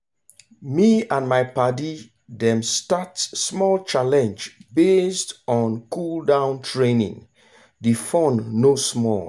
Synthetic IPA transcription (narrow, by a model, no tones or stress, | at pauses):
miãnmaɪpadi | dɛ̃mstatsːmɔlt͡ʃalɛ̃nd͡ʒbestɔ̃nkʰuldãʊ̃ntʰɹẽnḭ̃ŋ | defɔ̃nːosmɔ̰l